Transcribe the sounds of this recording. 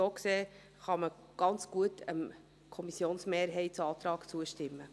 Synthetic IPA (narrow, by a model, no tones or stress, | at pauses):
oːkseː | χɑmə | ɡ̥ɑnt͡sɡ̥uətʰə̰m | kʰɔmisjoːnsmeːɾɦɛɪtsɑːt̪ɾɑːɡ̥t͡suəʃtɪmːə